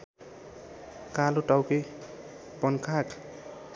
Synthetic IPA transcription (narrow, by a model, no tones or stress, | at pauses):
kaluʈawke | pʌnkʰak